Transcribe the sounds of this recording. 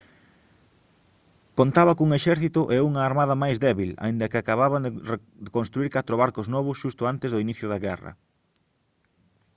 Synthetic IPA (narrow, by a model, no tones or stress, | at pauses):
kont̪aβɐkuŋeʃɛɾθit̪ʊʔeuŋɐːɾmaðɐmajzðɛβila̰ind̪ɐkɪakaβaβanre | d̪ekõnst̪ɾuiɾkat̪ɾoβaɾkoznɔβʊsʃust̪ʊant̪ezðʊiniθjʊðɐɣɛrɐ̰